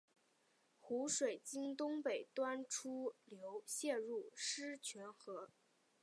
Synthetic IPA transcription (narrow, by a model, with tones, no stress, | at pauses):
xu˧˥ʂwe˨˩ɪt͡ɕi˥ŋt̪ʊ˥ŋpe˨˩ɪt̪wa˥nʈ͡ʂʰu˥ljo˧˥ʊɕjɛ˥˧ɻu˥˩ʂɻ̩˥t͡ɕʰɥɛ˧˥nxɤ˧˥